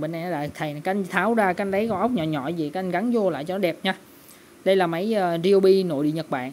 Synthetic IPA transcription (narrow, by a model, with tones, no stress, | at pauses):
ɓe˧na˧jɗa̰ː˧˨˩t̪ʰə˨˩jkːŋ̟t̪ʰaː˨˦wzaː˧ka˧ŋ̟ɗə˨˦jkɔ˧ʔə˦˥wk͡p̚ɲɔ̰˧˨ɲɔ̰˧˨zi˨˩ka˦ʔa˧ŋ̟ɣa˨˦nzu˧la̰ː˧˨jt͡ɕɔ˧nɔ˨˦ɛ˨˩p̚ɲaː˧ | ɗə˧jlaː˨˩mə˨˦jəː˨˩zi˧wɓi˧no̰˧˨jɗḭ˧˨əɲə˨˩t̚ɓa̰ː˧˨n